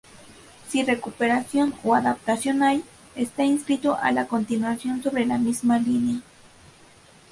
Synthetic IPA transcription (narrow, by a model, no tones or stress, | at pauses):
sire̞kupe̞ɾasjo̞noaðap̚t̪asjo̞naj | est̪ainskɾit̪oʔa̰lako̞nt̪inwasjo̞nso̞βɾe̞lamizmalinea